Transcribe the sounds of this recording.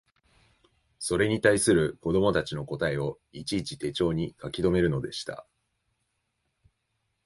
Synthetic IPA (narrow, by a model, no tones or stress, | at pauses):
so̞ɾe̞ɲ̟it̪aisɨɾɯ̟ko̞d̪o̞mo̞t̪at͡ɕino̞ko̞t̪ae̞o̞ | it͡ɕiːt͡ɕi̥t̪e̞t͡ɕo̞ːɲ̟ikakʲid̪o̞me̞ɾɯ̟nod̪e̞ɕi̥t̪a̰